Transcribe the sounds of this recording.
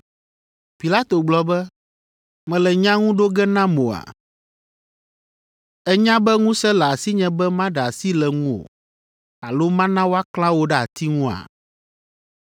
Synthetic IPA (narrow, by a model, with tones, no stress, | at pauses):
pi˨la˦t̪o˨ɡ͡blɔ˦bɛ˦ | mɛ̃˨lɛ˨ɲã˦ŋũ˦ɖo˦ɡɛ˦nã˦mo˨a̰˨ | ɛ˦ɲã˦bɛ˦ŋũ˦sɛ˦lɛ˨a˨si˦ɲɛ̃˦bɛ˦mã˦ɖɛ˨a˨si˦lɛ˨ŋũ˦o̰˨ | a˨lo˦mã˦nã˦wo˦a˦klã˦wo˦ɖɛ˦a˨t̪i˦ŋũ˦a̰˨